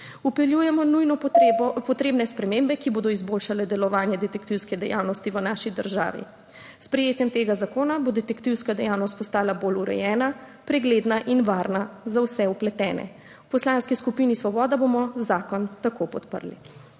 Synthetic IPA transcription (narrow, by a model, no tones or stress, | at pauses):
upɛljujɛmɔnujnɔpɔt̪ɾeːbnɛspɾɛmembɛkiboːd̪ɔizbolʃalɛd̪ɛlɔʋaːnjɛd̪ɛt̪ɛkt̪iwskɛd̪ɛ̰ja̰wnɔst̪iʋənaʃid̪əɾʒa̰ːʋḭ | spɾɛjeːt̪jɛmt̪eːɡazakoːnabod̪ɛt̪ɛkt̪iwskad̪ɛjawnɔst̪pɔst̪aːlaboluɾɛ̰jɛːna | pɾɛɡled̪naʔinʋaːɾnazawsɛuplɛt̪ɛːnɛ̰ | wpɔslanskiskupiːnisʋɔbɔːd̪abomɔzaːkɔnt̪akopɔt̪pə̰ɾlḭ